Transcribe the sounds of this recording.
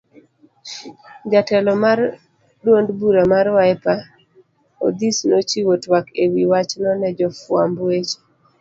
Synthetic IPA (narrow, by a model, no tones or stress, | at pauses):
d͡ʒatɛlɔmar | dwondbuɾamaɾwaɛpa | o̰d̪isnot͡ʃiwotwakewiwat͡ʃnɔnɛd͡ʒɔfwa̰mbwet͡ʃe̥